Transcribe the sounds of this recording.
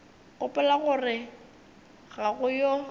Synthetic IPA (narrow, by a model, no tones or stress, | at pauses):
ɣʊpʼʊlaɣʊrɪ | ɣaɣʊjɔ